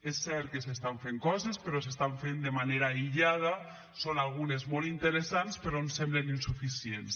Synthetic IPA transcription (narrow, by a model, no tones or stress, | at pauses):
esːɛɾt̪̚kesest̪aɱfeŋkɔzespeɾɔsest̪aɱfend̪emaneɾaiʎað̞a | sonalˠɣunezmolˠint̪əɾesanspeɾɔnsɛmbleninsufisiens